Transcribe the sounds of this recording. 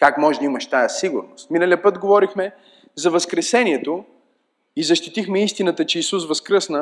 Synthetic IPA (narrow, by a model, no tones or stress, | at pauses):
kakmɔʒɛd̪əimɐʃt̪ajəsiɡʊɾnost̪minəliəpɤt̪ɡovɔɾixmɛ | zɐvəskɾɛsɛniɛt̪o | izɐʃt̪it̪ixmɛist̪inət̪ət͡ʃɛisus̬vɐskɾəsnə